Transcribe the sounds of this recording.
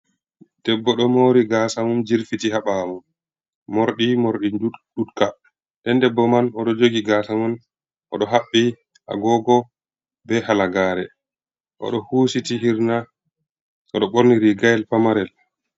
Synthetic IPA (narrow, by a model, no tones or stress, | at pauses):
d̥ɛbːɔɗɔmoɾiɡasamumd͡ʒiɾfitihaɓaːmumː | oɾɗimoɾɗiɗutka | dɛndɛbːɔmanɔɗɔd͡ʒoɡiɡasamun | ʔɔ̰ɗɔɦaɓːi | ʔa̰ɡɔɡɔ | bɛhalaɡaːɾɛ | ʔɔ̰ɗɔhuːsitiɦiɾna | ʔɔɗɔɓoɾniɾiɡajɛlpamaɾɛl